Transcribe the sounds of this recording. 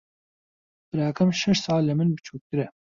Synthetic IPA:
b̥ɨɾaːkʰɐmʃɛʃsɑːlːɛmɨnbɨt͡ʃʰuːk̚kɨɾɛ

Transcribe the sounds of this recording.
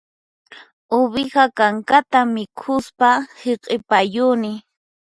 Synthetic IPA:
ʊβɪɢakaŋkat̪amɪkʰʊspaheqʼɪpajʊnɪ

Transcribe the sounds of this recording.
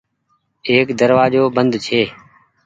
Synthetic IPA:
eːkd̪əɾʋaːd͡ʒoːbənd̪t͡ʃʰeː

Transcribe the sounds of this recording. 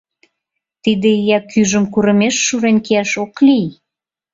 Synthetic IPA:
t̪id̪eijækyʒə̆mkuɾə̆meʃːuɾenʲkeæʃoklij

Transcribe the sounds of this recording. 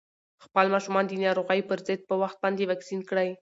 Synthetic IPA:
xpəlmɑʃumɑnd̪ənɑɾoɣajpəɾzəd̪̚pəwaxt̪̚bɑnd̪ewɑksinkɽəj

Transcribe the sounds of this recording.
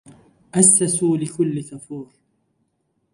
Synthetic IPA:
ʔasːasuːlɪkʊlːɪkafuːɾ

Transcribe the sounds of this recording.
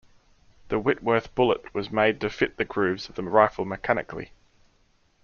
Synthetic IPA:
ðəwɪʔwɜ˞ˑθb̥ʊlˠəʔwɒzmeɪd̚tʰəfɪʔ̪̚ðəɡɹʉːvz̥əvðəɹaɪfəl̩ˠməkʰænɪ̰kʰlḭ

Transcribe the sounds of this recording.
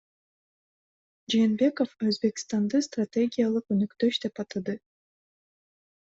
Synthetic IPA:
d͡ʒeːnbe̞ko̞føzbe̞kʲst̪and̪ɯst̪rat̪ʲeɡʲijalˠɯqønykt̪øʃd̪e̞pɑt̪ɯd̪ɯ

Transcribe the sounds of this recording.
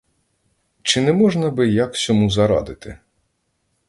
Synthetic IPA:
t͡ʃɪnɛmɔʐnɐbɪjaksʲɔmuzɐɾa̰d̪ɪt̪ɪ̰

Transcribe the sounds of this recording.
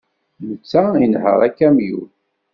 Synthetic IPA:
mət͡sːæinhə̰ʁækːæmjṵ

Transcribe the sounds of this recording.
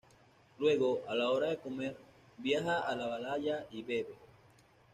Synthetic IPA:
lwe̞ɣo̞alao̞ɾaðe̞ko̞me̞ɾ | bjaxaːlaβalaʝaiβe̞βe

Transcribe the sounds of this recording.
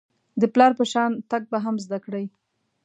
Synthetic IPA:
d̪əplɑɾpəʃɑnt̪aɡ̚baɦamzd̪akɽaj

